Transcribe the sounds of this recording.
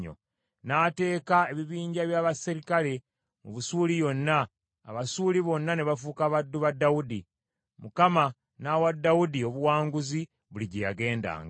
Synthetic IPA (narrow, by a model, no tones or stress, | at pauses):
o̰ | naːte̞ːkae̞βiβiːɲɟaβjaːβasiɾikale̞ | muβusuːlijo̞nːa̰ː | βasuːliβo̞nːaneβafukaβadːuβadːawudi | mukama | nawadːawudio̞βuwaːŋɡuzi | βuliɟejaɡe̞ːnda̰ːŋɡa